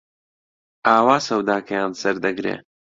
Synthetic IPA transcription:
aːwaːsɐwd̪aːkʰɐjaːnsɐɾd̪ɐɡɾḛː

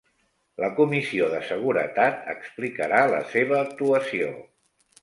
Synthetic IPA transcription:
ləkumisioðəsəɣ̞uɾə̰t̪at̪ə̰ksplikəɾalə̰seβ̞əːk̚t̪uəsio̰

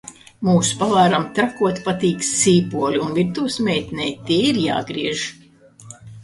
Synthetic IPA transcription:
muːspavaːɾamt̪ɾakuɔt̪pat̪iːkssiːpuɔlʲuunvʲiɾt̪uːsmʲɛːjt̪ʲnʲɛjt̪ʲiɛiɾja̰ːɡɾiɛʒ

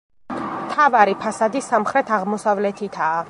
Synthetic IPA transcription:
mt̪ʰavaɾipʰasad̪isamχɾɛt̪ʰaʁmɔsavlɛt̪ʰit̪ʰaː

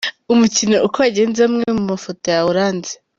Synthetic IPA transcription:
umucinoʔukoaɟe̞ːnzamŋee̞mumafoto̞jawuɾaːnze̥

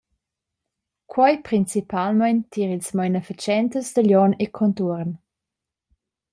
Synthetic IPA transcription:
kʰwajpɾint͡sipalmajnt̪ʰiːʁilsmajnɛfit͡ʃjɛnt̪əsd̪əljɔnekʰɔnt̪uɾn

